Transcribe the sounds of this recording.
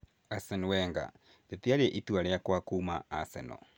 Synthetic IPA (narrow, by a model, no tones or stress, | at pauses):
asɛnuwɛŋɡa̰ | detiaɾeʔituaɾɛjakwakuːmaasɛ̰nɔ̰